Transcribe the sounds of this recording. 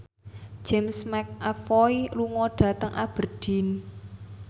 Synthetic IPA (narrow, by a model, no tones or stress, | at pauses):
d͡ʒ̥ɛmsmɛk̚ʔafɔiluŋɔɖ̥ä̤t̪əŋʔab̥ə̤rɖ̥i̤n